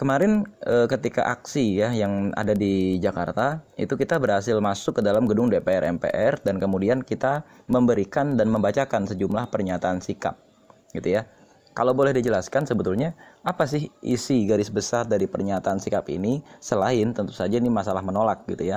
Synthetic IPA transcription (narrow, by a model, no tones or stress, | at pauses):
kəmaɾɪnəkət̪ika̰ʔaksijajaŋa̰dadid͡ʒaka̰rt̪aḭt̪ukit̪abərhasɪlmasʊkːədalamɡədʊŋdepeɛɾɛ̰mpḛʔɛrdankəmudiankit̪a | məmbəɾikandanməmbat͡ʃakansəd͡ʒumlahpərɲat̪aːnsika̰p̚ | ɡ̥it̪uja | kalawbolɛhdid͡ʒəlaskansəbət̪ulɲaapasɪhʔḭsiɡaɾɪsbəsardaɾipərɲat̪aːnsikapḭnisəlaɪnt̪ənt̪u̥sad͡ʒainimasalahmənolak̚ɡit̪uja